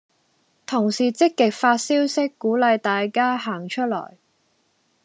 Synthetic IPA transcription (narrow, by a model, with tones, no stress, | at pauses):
t̪ʰʊ˨˩ŋsiː˨t͡sɪ˥kːɪ˨k̚faː˧t̚siː˥wsɪ˥kːuː˨˥lɐ˨˧jt̪aː˨jkaː˥ɦaː˨˩ŋt͡ʃʰɵ˥t̚lɔ̰ː˨˩j